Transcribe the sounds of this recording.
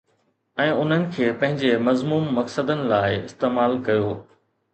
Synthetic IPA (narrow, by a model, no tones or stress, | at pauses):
ɛ̃ːʊn̤ənɪ̆kʰeːpɐ̃ɦɪ̃ɲd͡ʑemɐzmuːmːɐksəd̪ənɪ̆laːɪɪst̪eːmaːlkɐjoː